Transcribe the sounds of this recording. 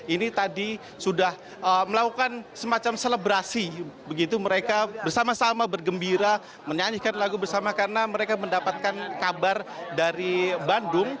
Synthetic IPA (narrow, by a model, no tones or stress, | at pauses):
init̪adi | sudah | əməlakukansəmat͡ʃamseləbɾasibəɡit̪uməɾekabərsamasamabərɡəmbiɾa | məɲaɲihkanlaɡubərsamakaɾənaməɾekaməndapat̪̚kankabardaɾibandʊŋ